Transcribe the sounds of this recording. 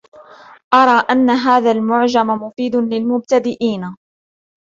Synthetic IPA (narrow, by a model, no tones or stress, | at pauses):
ʔɑɾˤɑːʔanːaɦaːðaːlmʊʕd͡ʒamamʊfiːd̪ʊlɪlmʊb̚t̪ad̪ɪʔiːna